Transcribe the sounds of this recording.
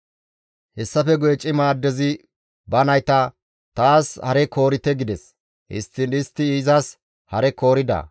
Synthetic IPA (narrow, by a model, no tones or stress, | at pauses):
hɛsːɐfɛɡʊjt͡ʃʼːɪmaːd̪ːɛzɪ | bɐnɐjt̪ɐ | t̪aːshɐɾɛko̞ːɾɪt̪ɛɡɪd̪ɛs | ʔɪ̰st̪ːɪnɪst̪ːɪiːzɐs | hɐɾɛko̞ːɾɪd̪ɐ̰